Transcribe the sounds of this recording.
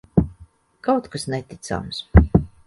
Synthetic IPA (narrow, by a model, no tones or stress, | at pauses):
kawt̪kasnɛt̪ʲit̪sa̰ms